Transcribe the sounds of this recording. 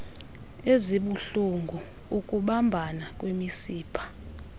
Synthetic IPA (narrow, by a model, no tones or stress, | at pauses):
eziɓuɬuŋɡʱu | ukʼuɓambʱanak̬ʼwemisiːpʰḁ